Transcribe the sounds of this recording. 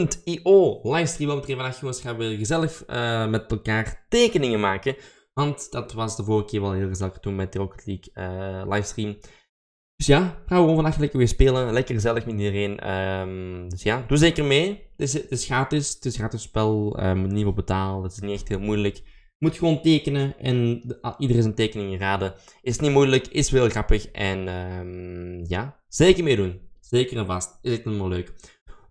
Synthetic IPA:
ntiʔoːlajfstriːmʋɛlˠmətreːvənaxəosxaːʋəɣəzɛləxəmɛtɛlˠkaːrteːkənɪŋənmaːkə | ʋɑntd̥ɑtʋɑsdəvoːrɣəkɪːɹʋɛlˠɦeːlˠɣəzɛlˠəxətunmɛt̚d̥iroktʰlikəlajfstrim | d̥ɵsjaːxaːʋəɣoːnvɑnaxələkəʋɪːspeːlənlɛkərɣəzɛləxmɛtidəreːnə̰ | dʏsjaːduzeːkərmeːdɪsdəsxaːtɪsd̥əsxaːtəspɛlˠə̰mutnivobətaːləɑtɪ̥sniɛxtɦeːlˠmujlək | mutxəʋoːnteːkənəʔɛ̰nidərɪnsənteːkənɪŋəraːdəɪstnimujləkɪsʋeːlˠɣrɑpəxʔɛnəmja | z̥eːkərmeːdunz̥eːkərɛnvɑstɪsɛtnɔmaːløːk

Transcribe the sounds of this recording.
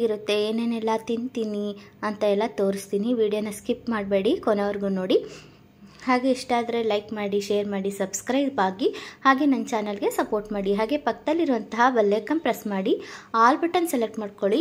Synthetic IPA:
iɾut̪ːe̞eːneːnɛlːɐt̪int̪iːni | ɐnt̪ɐɛlːɐt̪oːɾist̪iːniʋiːɖijonːɐskipmaːɽ̚be̞ːɽikɔnɐʋɐɾɡuno̞ːɽi | haːɡe̞ːʂʈaːd̪ɐɾe̞lɐjkmaːɽiʃeːɐɾmaːɽisɐbskɾɐjbbaːɡihaːɡe̞nɐnt͡ʃaːnɐlɡe̞sɐpo̞ːɾʈmaːɽiɦaːɡe̞pɐkːɐd̪ɐlːiɾuʋɐnt̪ɐɦɐʋɐlːeːkɐmpɾesmaːɽiaːlbɐʈɐnsɛlek̚ʈmaːɖko̞ɭi

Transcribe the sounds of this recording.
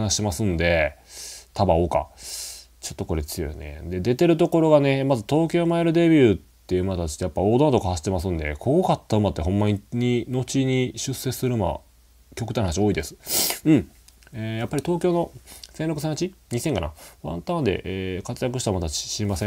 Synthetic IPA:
anaɕi̥emasɨ̃nd̪e̞ | t̪ʰabão̞ːka̰ | t͡ɕot̪ːo̞ko̞ɾe̞t͡sɨjo̰j̰ne̞̰d̪e̞d̪e̞t̪e̞ɾɯ̟t̪o̞ko̞ɾo̞ɡane̞mazɨt̪o̞ːkʲo̞ːmaeɾɯ̟d̪e̞bʲjɯt̪ːe̞ɯ̟mat̪at͡ɕi̥t̪ejapːao̞ːd̪ont̪okahaɕi̥t̪ːemas̬ɨ̃nd̪e̞kʰokat̪ːaɯ̟mat̪ːe̞ɦõ̞mːaɲ̟iɲ̟ino̞t͡ɕiɲ̟iɕɨsːe̞ɨ̥sɨɾɯ̟ma̰ | kʲo̞kɯ̟t̪anɦanaɕio̞ːid̪e̞sɨ̥ɯ̟̃ejapːaɾʲit̪o̞ːkʲo̞ːno̞sẽ̞nɾok̟sẽat͡ɕiɲ̟isẽ̞ŋkana̰βã̰nt̪ãnd̪e̞̰ʔeːkat͡sɨjak̬ɯ̟ɕi̥t̪aamat̪aɕɕiɾimasẽ

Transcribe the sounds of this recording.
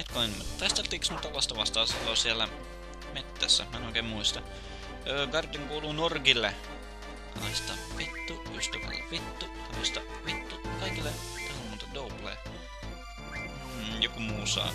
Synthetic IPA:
et̪koint̪ɑist̪elt̪ːˑiːksmut̪ːɑlːɑst̪ɑʋɑst̪ɑːsilːosiælːæ | met̪ːæsːæ̰mæˑnoˑikeːmmuist̪ɑ | øːɡɑrt̪iŋkuːluːnorkilːe | kɑ̰ist̪ɑʋit̪ːu | yst̪æʋæ̰lḛʋit̪ːut̪olːɑst̪ɑ | ʋit̪ːukɑikilːe | t̪ohumːot̪ed̪ouplḛː | jokumuːsɑ̰ː

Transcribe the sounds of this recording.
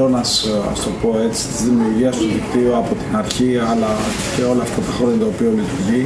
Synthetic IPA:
onɐsɐ̰st̪o̞po̞e̞t͡si̥st̪izðimiuɾʝiɐst̪uðikt̪ioɐpo̞t̪inɐɾçiɐlɐ | ce̞o̞lɐːft̪ɐt̪ɐxoɾjɐt̪oːpio̞lit̪uɾʝi

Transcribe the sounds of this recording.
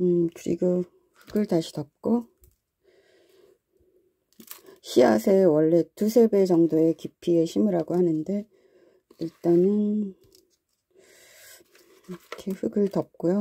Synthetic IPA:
ɯkɯɾḭɡo | ɸɯɡɯɭtaɕʰi̥tʌp̚k͈o | ɕʰia̰sʰe̞wʌɭːe̞tusʰe̞be̞t͡ɕʌŋdoe̞kipʰieɕʰimiɾaɡohanɯnde̞ | iɭt͈anɯn | kʰeɸɯɡɯɭtʌp̚k͈ojo

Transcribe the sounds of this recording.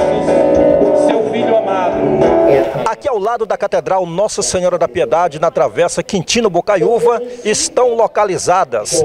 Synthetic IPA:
ʊsewvidʊamad̪ʊ | akiawlad̪ʊd̪ɐkat̪ed̪ɾawnɔsɐseɲɔɾɐd̪ɐpied̪ad͡ʒɪnɐt̪ɾavɛsɐkĩnt͡ʃĩnʊbokajuvɐɪst̪ɐ̃w̃lokalizad̪ɐs

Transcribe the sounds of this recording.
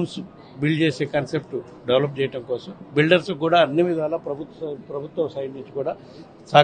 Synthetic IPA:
ns | bild͡ʒe̞ːseːkaːnsep̚ʈu | ɖeʋlɐp̬̚t͡ʃɛːjɐʈɐmkɔːsɐmbilɖɐɾsk̬uːɽaːɐnːiʋid̪ʱaːlɐːpɾɐbʱut̪pɾɐbʱut̪wʋɐmsɐjɖniɲt͡ʃikuːɽaː | saː

